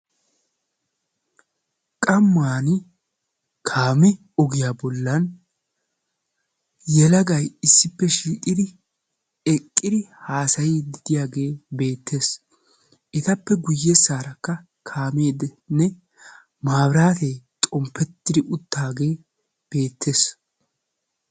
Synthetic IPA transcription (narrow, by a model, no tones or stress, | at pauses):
kʼɐmːaːnɪ | kʰaːmɛ | ɔɡɪjaːbɔlːɐn | jɛlɐɡɐjɪsːɪpːɛʃiːʔʼɪd̪ɪ | ɛkʼːɪd̪ɪhaːsɐjid̪ɪd̪ɪjaːɡe̞ːbe̞ːt̪ːe̞ːs | ʔɪt̪ɐpːɛɡʊjːɛsaːɾɐkːɐ | kʰaːme̞ːd̪ | nɛ | maːbɾaːt̪eːt̪ʼɔmpːɛt̪ːɪd̪ɪʔʊt̪ːaːɡe̞ː | b̥e̞ːt̪ʰːe̞ːs